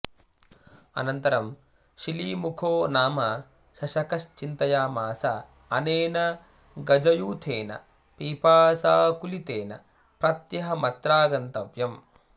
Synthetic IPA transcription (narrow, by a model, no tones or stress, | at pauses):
ɐ̰nɐnt̪ɐɾɐm | ʃiliːmukʰoːnaːmɐ | ʃɐʃɐkɐʃt͡ʃint̪ɐjaːmaːsa | ɐneːnɐ | ɡɐd͡ʒɐjuːt̪ʰeːnɐ̰ | piːpaːsaːkulit̪eːnɐ̰ | pɾɐt̪jɐɦɐmɐt̪ɾaːɡɐnt̪ɐʋjɐm